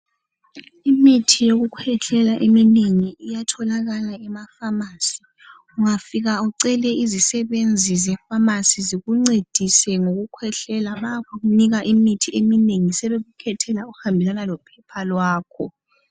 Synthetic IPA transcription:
imitʰijoɣukʰwɛɬɛlaʔemineŋiːjatʰɔlaɣalaɛmafamaːsi | uŋafiɣaɔǀɛlɛizisɛβend͡zʱizɛfamasiziɣuŋ͡ǀed̥ʱisɛŋoɣukʰwɛɬɛlaβakʰuɣuniɣaʔimitʰiemineŋisɛβeɣukʰɛtʰɛlauuhambʱɛlanalɔpʰɛpʰalwaːkʰɔ

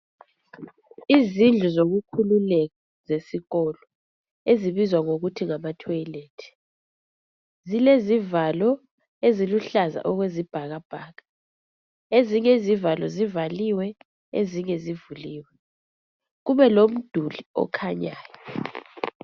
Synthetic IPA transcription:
izind͡ɮʱuzoɣukʰululɛɣɔ | zesiɣɔlɔ | eziβizwaŋoɣutʰiŋamatʰɔileːtʰi̥ | zilezivalɔ | eziluɬaza̰ʔɔɣwezib̥ʱaɣab̥ʱaːɣḁ | eziɲezivalɔ̰zivaliwɛ | ḛziɲezivuliːwɛ | ɣuβɛlom̩d̥ʱuliɔ̰kʰaɲaːjɔ

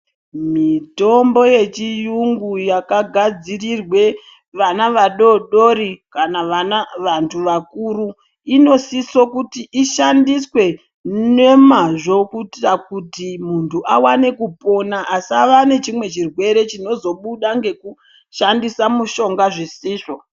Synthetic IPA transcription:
mito̞mbo̞je̞t͡ʃijuŋɡujakaɡʱad͡zirirwe̞ | ʋanaʋaɗo̞ɗo̞ɾikanaʋanaʋantʰuʋakuːɾu | ino̞siso̞kutiʔiʃandiswe̞ | ne̞maʐo̞kutrakutimuntʰuʔawane̞kupo̞naʔasiaʋane̞t͡ʃimwe̞t͡ʃirwe̞ɾe̞t͡ʃino̞zo̞ɓuɗaŋɡe̞ku | ʃandisamuʃo̞ŋɡaʐisiːʐo̞

